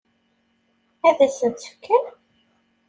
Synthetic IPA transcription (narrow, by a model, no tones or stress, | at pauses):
æðæsənt̪fkʰːæn